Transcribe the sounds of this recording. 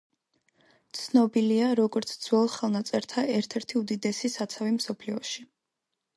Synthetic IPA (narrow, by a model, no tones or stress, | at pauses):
t̪sʰnɔbiliaɾɔɡɔɾt̪sʰd̪z̥wɔlˠχɛlˠnat̪sʼɛɾt̪ʰaʔɛɾt̪ʰɛɾt̪ʰiud̪id̪ɛsisat̪sʰavimsɔpʰliɔʃi